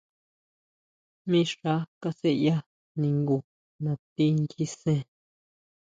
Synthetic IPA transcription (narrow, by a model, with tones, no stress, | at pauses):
mĩ˦ʂa˦ka˧se˦ja˦ | nĩ˧˨ŋɡu˨ | nã˨t̪i˦nt͡ʃi˦sẽ˦